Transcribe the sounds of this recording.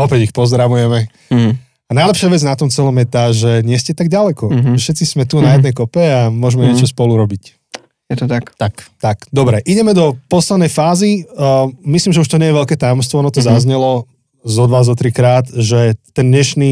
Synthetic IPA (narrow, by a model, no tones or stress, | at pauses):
ɔpɛɟixpɔzd̪ɾaʋujɛmɛ | anaɪjlɛpʃɪaʋɛd͡znat̪ɔmt͡sɛlɔmjɛt̪aːʒɛɲɪɛscɛt̪aɡ̚ɟalɛkɔfʃɛt̪t͡sismɛt̪unajɛd̪nɛjkɔpɛamʊɔʒmɛɲɪɛt͡ʃɔspɔluɾɔbic | jɛt̪ɔt̪akt̪akt̪akd̪ɔbɾɛʔiɟɛmɛd̪ɔpɔslɛd̪nɛjfaːzi | mislimʒɛuʃt̪ɔɲɛjɛʋɛʎkɛːt̪ajɔmst̪ʋɔɔnɔt̪ɔzazɲɛlɔ | zɔd̪ʋaːzɔt̪ɾikɾaːt̪ʒɛt̪ɛnd̪ɲɛʃni